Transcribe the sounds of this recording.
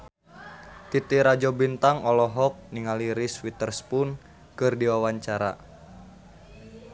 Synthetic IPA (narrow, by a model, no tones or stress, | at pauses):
t̪it̪iɾad͡ʒɔbint̪aŋɔlɔɦɔk̚niŋaliɾiswit̪ərspun | kɨrdiwawaɲt͡ʃaɾa̰